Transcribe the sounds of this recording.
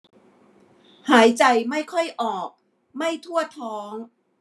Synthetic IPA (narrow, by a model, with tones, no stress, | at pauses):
haː˩˦jt͡ɕa˧jma˥˩jkʰɔ˥˩jʔɔː˨˩k̚ | ma˥˩jt̪ʰu˥˩ɐt̪ʰɔː˦˥ŋ